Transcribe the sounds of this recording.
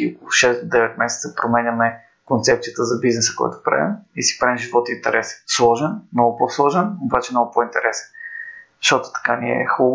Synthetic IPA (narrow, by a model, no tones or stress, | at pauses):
iokolˠʃɛsd̪od̪ɛvɛt̪mɛsɛt̪səpɾomɛnʲɐmɛ | kont̪sɛp̚t̪sijət̪əzɐbiznɛsə̥kɔ̰j̰t̪o̥pɾa̰vḭmisi̥pɾaɛmʒivɔt̪int̪ɛɾʔɛsɛ̥nslˠɔʒɛnmnɔɡʊposlˠɔʒɛnobat͡ʃɛmnɔɡʊpoint̪ɛɾɛsɛ̥n | ʃt̪ɔt̪o̥t̪ɐ̥kaniɛ̰xulˠ